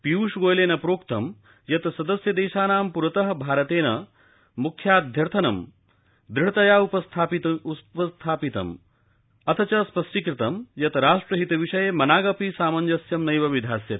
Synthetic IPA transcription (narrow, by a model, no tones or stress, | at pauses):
piʋuʂɡoːjleːnɐpɾoːkt̪ɐm | jɐt̪sɐd̪ɐsjɐd̪eːʃaːnaːmpuɾɐt̪ɐɦɐbʱaːɾɐt̪eːnɐ | mukʰjaːd̪ʱjɐɾt̪ʰɐnɐ̰m | d̪ɾiɐt̪ɐjaːupɐst̪ʰapipɐst̪ʰaːpit̪ɐ̰m | ɐt̪ʰɐt͡ʃɐspɐsʈikɾɪt̪ɐmjɐt̪ɾaːʂʈɾɐɦit̪ɐʋiʂɐjemɐnaːɡɐpisaːmɐnd͡ʒɐsjɐmnɐjʋɐʋid̪ʱaːsjɐt̪i